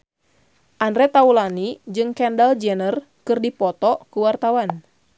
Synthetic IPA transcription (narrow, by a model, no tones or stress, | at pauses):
ʔanɾɛt̪aulanid͡ʒɨŋkɛndald͡ʒɛnər | kɨrdipɔt̪ɔkuwart̪awan